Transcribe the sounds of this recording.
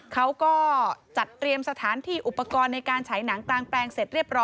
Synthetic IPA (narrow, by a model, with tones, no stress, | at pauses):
kʰa˦˥wkɔː˥˩t͡ɕa˨˩t̪ːɾi˧əmsa˧t̪ʰaː˩˦nt̪ʰiː˥˩ʔu˨˩pːa˧kɔː˧nːa˧jkaː˧nt͡ɕʰa˩˦jna˩˦ŋklaː˧ŋplɛː˧ŋse˨˩t̪̚ɾi˥˩əp̚ɾɔː˦˥